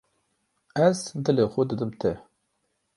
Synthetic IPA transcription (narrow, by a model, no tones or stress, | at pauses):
æzd̪ɨlexʷʊd̪ɨd̪ɨmt̪ʰɛ